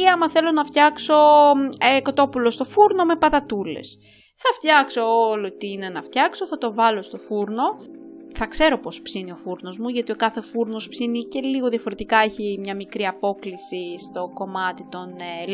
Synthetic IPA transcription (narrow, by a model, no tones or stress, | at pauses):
iɐmɐθe̞lo̞nɐft̪çɐkso̞eko̞t̪o̞pulo̞st̪o̞fuɾno̞me̞pɐt̪ɐt̪ule̞̰s | θɐft̪çɐksoolot̪iine̞nɐft̪çɐkso̞θɐt̪o̞vɐlo̞st̪o̞fuɾno̞ | θɐkse̞ɾo̞po̞spsinio̞fuɾno̞zmuʝɐt̪io̞kɐθe̞fuɾno̞spsinice̞liɣo̞ðiɐfo̞ɾe̞t̪ikɐeçimɲɐmikɾiɐpo̞klisist̪o̞ko̞mɐt̪it̪o̞n